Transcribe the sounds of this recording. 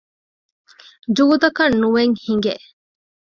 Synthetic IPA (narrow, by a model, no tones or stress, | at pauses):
d͡ʒuːd̪ɐkɐnːuʋeŋhiŋɡḛʔ